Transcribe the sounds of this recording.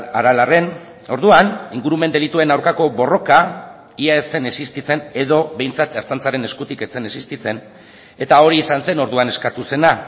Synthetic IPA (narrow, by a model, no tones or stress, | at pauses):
aɾalare̞n | o̞ɾðuaniŋɡuɾumend̪e̞lit̪ue̞nawɾkako̞βo̞ro̞ka | iaese̞ne̞sist̪it͡se̞ne̞ðo̞βe̞jnt͡sat̪eɾt͡sant͡saɾe̞ne̞skut̪ike̞t͡se̞nesist̪it͡se̞n | e̞t̪ao̞ɾiːsanse̞no̞ɾðuane̞skat̪use̞na